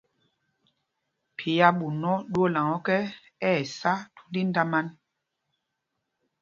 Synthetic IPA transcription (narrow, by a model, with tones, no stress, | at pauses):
pʰi˨ja˦ɓu˨nɔ˦ɗwo˦la˨ŋɔ˦kɛ˦ | ɛː˦˨sa˦tu̥˦li˦nda˦ma˦n